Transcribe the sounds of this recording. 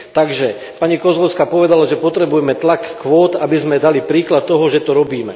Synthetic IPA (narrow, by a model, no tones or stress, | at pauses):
t̪aɡʒɛ | paɲikɔzlɔʊskapɔʋɛd̪alaʒɛpɔt̪ɾɛbujɛmɛt̪lakːʋɔːt̪abizmɛd̪alipɾiːklat̪ːɔɦɔʒɛt̪ɔɾɔbiːmɛ̰